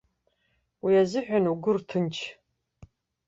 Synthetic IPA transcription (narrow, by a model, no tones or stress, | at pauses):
wijazɨħʷʊnuɡʷʊrtʰɨnt͡ʃʰ